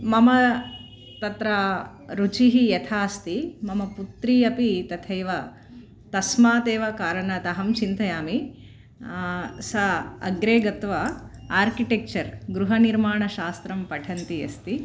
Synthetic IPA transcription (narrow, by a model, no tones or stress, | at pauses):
mɐmɐ | t̪ɐt̪ɾɐ | ɾut͡ʃiɦijɐt̪ʰaːst̪imɐmɐput̪ɾiːɐpit̪ɐt̪ʰeːʋɐ | t̪ɐsmaːt̪eːʋɐkaːɾɐɳɐt̪ɐɦɐmt͡ʃint̪ɐjaːmi | sɐɐɡɾeːɡɐt̪ʋɐaːɾkiʈek̚t͡ʃɐɾɡɾuɦɐniɾmaːɳɐʃaːst̪ɾɐmpɐʈʰɐnt̪iɐ̰st̪i